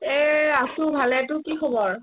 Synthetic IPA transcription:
ɛasʊbʱalɛtʊkikʰɔbɔɹ

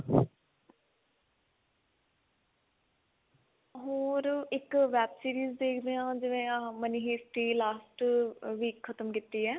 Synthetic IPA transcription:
ɦoːɾɪkʋɛːbsiːɾiːzd̪eːkʰd̪eːãːd͡ʒɪʋẽːməniːɦeːsʈiːlaːsʈʋiːkʰːət̪əmkit̪ːiːɛː

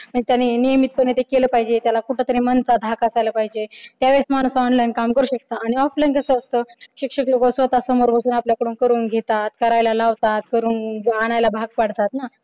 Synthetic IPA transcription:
məd͡ʑt̪janːinijəmit̪̚pənːet̪ekeləːpaɦid͡ʑet̪jalakuʈʰet̪əɾẽmənt͡sad̪ʱakəsajlapaɦid͡ʑet̪jaʋesmañusɔɳlajnkamkəɾuːɕək̚t̪aːɽ̃iɔflajnkəsəəst̪əɕikʂəklokosʋət̪asəmoɾpəsuːnapljakəɽuːnkəɾuːnɡʱet̪at̪kəɾajlalaʋt̪at̪̚kəɾuːnaɽ̃ajlabʱaɡ̚paɽt̪at̪na

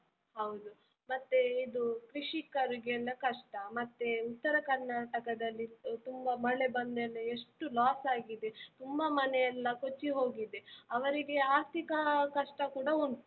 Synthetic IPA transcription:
hɐwd̪u | mɐt̪ːeid̪ukɾiʂikɐɾuɡɐlːɐkɐʂʈɐmɐt̪ːeut̪ːɐɾɐkɐɾnaːʈɐkɐd̪ɐlːit̪umbɐmɐɭebɐnd̪ɛlːɐeʂʈulaːsaːɡid̪e̞t̪umbɐmɐnejɐlːɐkot͡ʃːiɦo̞ːɡid̪e̞ɐʋɐɾiɡe̞aːɾt̪ʰikɐkɐʂʈɐkuːɽɐun

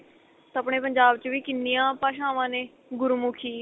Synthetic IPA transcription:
t̪əpɳeːpəɲd͡ʒaːbt͡ʃəʋiːkɪnːijãːpaːʃãːʋãːneː | ɡʊɾumʊkʰiː

